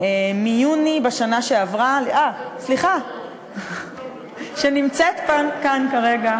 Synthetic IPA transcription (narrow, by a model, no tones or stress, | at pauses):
emijunibaʃanaʃeavʁalʔasliχa | ʃenimt͡set̪pankankaʁeɡa